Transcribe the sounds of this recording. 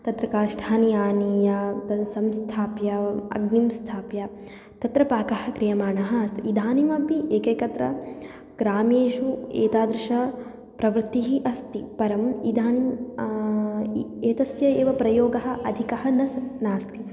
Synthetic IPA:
t̪ɐt̪ɾɐkaːʃʈʰaːnijaːnijɐt̪ɐsɐmst̪ʰaːpjɐɐ̰ɡnimst̪ʰaːpjɐ | t̪ɐt̪ɾɐpaːkɐɦɐ̆kɾijɐmaːɳɐɦɐɐst̪iid̪ʱaːnimɐpiʔeːkɐːkɐt̪ɾɐ | ɡɾaːmjeːʃuḛːt̪aːd̪ɾɪʃɐ | pɾɐʋɾt̪ːiɦiʔɐst̪ipɐɾɐmid̪ʱaːnim | eːt̪ɐsjɐeːʋɐpɾɐjoːɡɐɦɐ̆ʔɐd̪ʱikɐɦɐnɐsnaːst̪i

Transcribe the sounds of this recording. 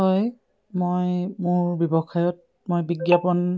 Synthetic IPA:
ɔj | mojmʊɹbjɔbɔkʰajɔt̚ | mojbiɡjapɔn

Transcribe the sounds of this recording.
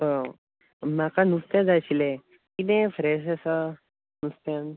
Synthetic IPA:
ə | makanust̪jãd͡zaɕile | kit̪ẽfɾɛs̬asa | nust̪jan

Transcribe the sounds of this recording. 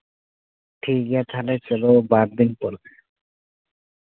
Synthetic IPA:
ʈʰiɡat̪ʰalet͡ɕelobaɾd̪inpɔɾe

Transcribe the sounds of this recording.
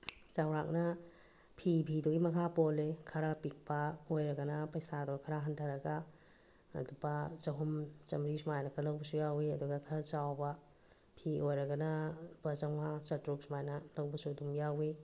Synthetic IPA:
t͡ʃawɾak̚nɐ | pʰipʰidoɡimɐkʰapolekʰɐɾapik̚pɐojɾɐɡɐnɐpɐjsadokʰɐɾaɦɐntʰɐɾɐɡɐ | ɐ̰dubɐt͡ʃɐɦumt͡ʃɐmɾisumajnɐkʰɐlɐwbɐsujawiɐduɡakʰɐɾat͡ʃawbɐ | pʰiʔojɾɐɡɐnɐbɐt͡ʃɐŋat͡ʃɐtɾuk̚smajnɐlɐwbɐsudumjawi

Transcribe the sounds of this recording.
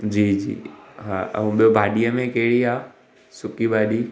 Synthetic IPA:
d͡ʑiːd͡ʑḭːɦaːɐ̰ũɓijobʱaːɗijəmẽkeɦɪɽiaː | sʊkibʱaːɗiː

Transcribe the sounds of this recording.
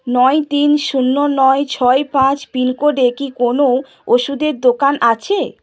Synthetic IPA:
nɔjt̪inʃunːonɔet͡ɕʰɔepãt͡ɕpinkoɖekikono | oʃud̪eɾd̪okanʔat͡ɕʰe

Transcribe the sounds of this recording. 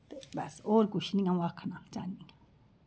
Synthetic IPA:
t̪ebasoɾkuʃinĩŋãwakʰanãt͡ʃanĩnã

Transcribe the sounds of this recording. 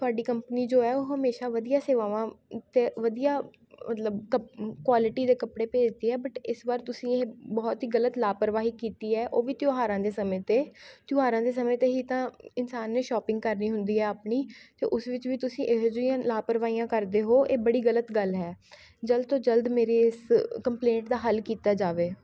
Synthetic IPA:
tt̪ʊaːɖiːkəmpəniːd͡ʒoːɛːoːɦəmeːʃaːʋəd̪ijaːseːʋaːʋãːt̪eːʋəd̪ijaː | mət̪ləbkəkʋaːlɪʈiːd̪eːkəpɽeːpeːd͡ʒd̪eːɦɛːbəʈɪsʋaːɾt̪ʊsĩːebɔːt̪ɦiːɡələt̪laːpəɾʋaːɦiːkiːt̪iːɛːʔoːʋiːt̪ɪoːɦaːɾãːd̪eːsəmẽːt̪eːt̪juːɦaːɾãːd̪eːs̬əmẽːt̪eːɦiːt̪ãːɪnsaːnːeːʃɔːpɪ̃ŋɡkəɾniːɦʊnd̪iːɦɛːaːpniːt̪ḛːʔʊsʋɪt͡ʃʋiːt̪ʊsĩːʔeɦd͡ʒʊijãːlaːpəɾʋaːiːjãːkəɾd̪eːɦoːʔeːbəɽiːɡələt̪ɡəlɦɛː | d͡ʒəld̪̚t̪õːd͡ʒəld̪meːɾeːɪskəmplẽːɳʈd̪aːɦəlkiːt̪aːd͡ʒaːʋeː

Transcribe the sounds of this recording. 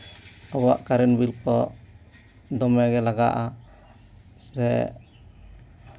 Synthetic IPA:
ɔwa̰ʔkaɾɛnbilkɔ | d̪ɔmɛɡɛlaɡa̰ʔa | sɾɛ̰

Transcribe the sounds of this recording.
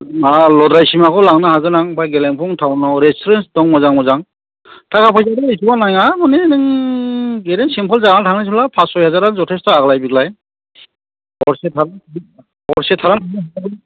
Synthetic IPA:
alɔdɾajsimakʰɔlaŋnɯhaɡɯnaŋpʰajɡeleŋpʰɔŋtʰawnawɾestʰɔɾensdɔŋmɔzaŋmɔzaŋ | tʰakapʰajzadɔisʰuwanajamɔnenɯŋ | ɡeɾensimpʰɔlzaɡantʰaŋnajs̬ʰulapʰasɔjhazaɾaŋzɔtʰestaaɡlajbiɡlaj | ɔɾsetʰaɾan | ɔɾsetʰːaɾantʰaŋnɯɦaak

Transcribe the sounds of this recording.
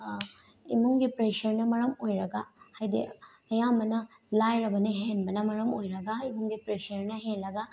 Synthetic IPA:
imuŋɡipɾeʃɐɾnɐmɐɾɐmojɾɐɡahajd̪ḛ | ɐjamɐnɐ | lajɾɐbɐneɦenmɐnɐmɐɾɐmojɾɐɡaimuŋɡipɾeʃɐɾnɐɦẽlɐɡa

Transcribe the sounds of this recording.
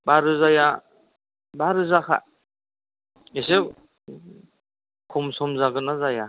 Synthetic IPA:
baɾɯzaja | baɾɯzakʰa̰ | ese | kʰɔmsɔmzaɡɯnazaja

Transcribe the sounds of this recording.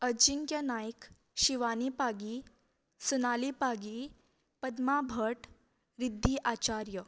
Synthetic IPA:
əd͡ʑiŋkjənajk | ɕiʋanipaɡi | sunalipaɡi | pəd̪mabʱəʈ | ɾid̪ʱːiʔat͡ɕaɾjə

